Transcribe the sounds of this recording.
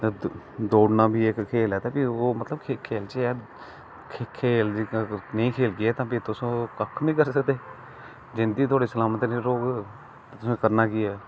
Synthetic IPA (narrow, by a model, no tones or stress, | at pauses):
t̪aː | d̪oːɖnãːbʱiːekkʰeːlɛːt̪ãːpɪoːmət̪ləb̚kʰeːkʰːeːlt͡ʃeɛː | kʰekʰeːld͡ʒəɡəɾnəĩːkʰeːlɡɪɛːt̪ãːpit̪ʊsõːkəkʰːbĩːkəɾsəkd̪eː | d͡ʒɪnd̪iːt̪̬ʰʊwaːɽeːsəlaːmət̪nẽɾoːɡ | t̪ːt̪ʊsõkəɾnaːkɪɛː